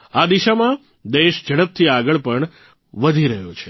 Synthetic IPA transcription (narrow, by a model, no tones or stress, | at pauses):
ad̪iʃamã | d̪eʃd͡ʒəɽ̃əp̚t̪ʰiaɡəɭpəɳ | ʋəd̪ʱiɾəɦjot͡ʃʰe